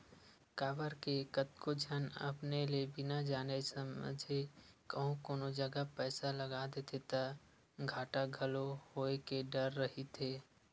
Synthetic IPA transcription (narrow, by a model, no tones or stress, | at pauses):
kaːʋəɾkekət̪̚kod͡ʒʱənə̰pnelebʱɪnad͡ʒaːnesəməd͡ʒʱekəɦũkoːnod͡ʒəɡapɛːsaləɡaːd̪et̪ʰet̪a | ɡʱaːʈaɡʱəlohoːekeɖəɾːəɦit̪ʰeː